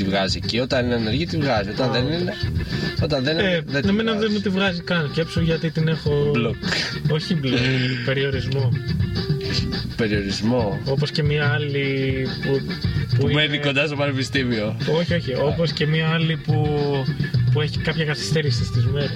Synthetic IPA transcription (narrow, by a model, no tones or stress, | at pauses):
t̪ivɣɐzicio̞t̪ɐnineneɾʝit̪ivɣɐzio̞t̪ɐnðenineot̪ɐnðenenemenɐðemut̪ivɣɐzikɐnsce̞psoʝɐt̪it̪ine̞xo̞bloko̞çiblope̞ɾio̞ɾizmo̞ | pe̞ɾio̞ɾizmo̞o̞posce̞miɐɐlipupuuimeniko̞nd̪ɐst̪opɐnepist̪imio̞o̞çio̞çio̞po̞sce̞miɐɐlipu | pueçikɐpçɐkɐθi̥st̪eɾist̪ist̪izme̞ɾes